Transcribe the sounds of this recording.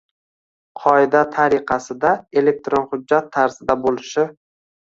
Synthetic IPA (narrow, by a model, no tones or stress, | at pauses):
qʰɒɪd̪at̪ʰaɾɪqʰɑsɪd̪ae̞le̞k̚t̪ɾonχʊd͡ʒːat̪ʰːaɾzɪd̪abolɪʃɪ